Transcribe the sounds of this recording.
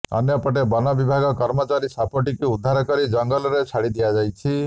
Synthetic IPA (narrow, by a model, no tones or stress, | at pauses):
ɔ̰njɔpɔʈebɔnɔbibʱaɡɔkɔɾmɔt͡ʃaɾisapʰɔʈikuud̪ʱːaɾɔkɔɾid͡ʒɔŋɡɔlɔɾet͡ʃʰaɽid̪ijad͡ʒajt͡ʃʰi